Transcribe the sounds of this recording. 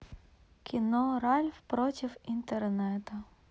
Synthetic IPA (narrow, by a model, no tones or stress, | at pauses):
kʲinɔɾɑlʲwpɾɔtʲiwint̪ernɛt̪ɐ